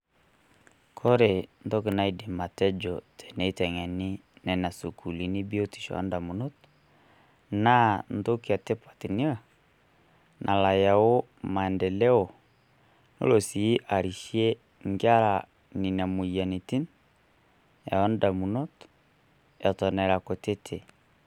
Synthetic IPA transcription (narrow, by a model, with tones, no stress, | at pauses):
kʰɔ˦ɾe˨ndɔ˦kɪ˨na˦i˨de˨ma˨tɛ˦d͡ʒɔ˨tʰɛ̥˨nɛ˨˦i˦tɛ˨ŋɛ˨nɪ˦nɛ˨na˨su˨kʰu˨li˨ni˦bi˦o˦ti̥˨ʃɔ̰˨ɔ̰˦nda˨mu˨no˦t | na˦n˦do˦ki˨a˨te˦pwa˨ti˨ni˦a˦˨ | nʔa˨la˨ja˨o˦ | ma˨ɛ˨ndɛ˨lɛ˦ɔ˨ | no̰˦lo˨si˨˦ʔa˨ɾi˨ʃi˦ɛ˦ | ŋɡa˦ɾa˨ | ni˨n˨a˨mu˨i˨ja˨ni˨ti˦n | ja̰˨ɔ˦nda˨mu˨no˦t | ja˨tɔ˨nɛ˨ɾa˨ko˨te˦tʰe˨